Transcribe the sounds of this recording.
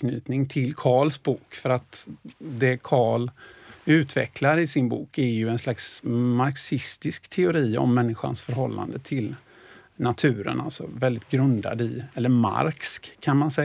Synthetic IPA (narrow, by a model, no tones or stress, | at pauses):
ny̰ːt̪nɪŋt̪ʰɪlkʰɑːɭsbuːkfœɾat̪d̪ɛkʰɑːɭʉ̟ːt̪vɛ̰kʰlaɾɪsɪnbṵːkɛɾjɵɛnslaksmaɾksɪst̪ɪskt̪ʰɛʊɾiːɔ̰mːɛnːɪɧa̰nsfœɾɦɔlːa̰nd̪ət̪ʰɪl | nat̪ʰʉ̟ːɾə̰na̰lsɔvɛld̪ɪt̪̚ɡɾɵnd̪a̰d̪ɪɛlːəɾma̰ɾkskʰːanmansɛ